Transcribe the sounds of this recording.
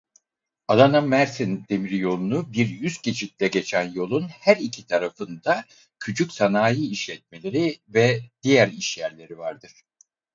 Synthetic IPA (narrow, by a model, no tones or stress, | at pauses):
alˠanamæɾsind̪̥e̞miɾijo̞lˠunubiɾjyscet͡ʃʰit̪̚lʲɛɟe̞t͡ʃʰænjo̞lˠunhæɾicʰit̪ʰaɾafɯnd̪a | cʰyt͡ʃʰycsanaːjɯiʃlʲɛt̪̚me̞lʲe̞ɾivɛd̪̥ijæɾiʃjæɾlʲe̞ɾivaɾd̪ɯɾ̥